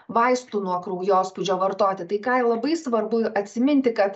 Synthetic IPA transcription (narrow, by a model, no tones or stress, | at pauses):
ʋɐɪst̪unuɔkɾɐʊjoːspʊd͡ʒʲoːʋɐɾt̪oːt̪ʲɪt̪ɐɪkɑːɪlˠɐbɐɪsʋɐɾbʊɐt̪ʲsʲɪmʲɪnʲt̪ʲɪkɐt̪